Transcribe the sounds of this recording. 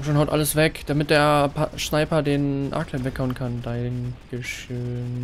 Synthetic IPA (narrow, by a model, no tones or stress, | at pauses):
ʃoːnhaʊtʔa̰ləsv̥ɛkd̥amɪt̚d̥eːɐpʃnaɪpɐdeːnʔa̰ːklɛnvɛkhaʊənkʰandaɪŋɡ̥əʃøːn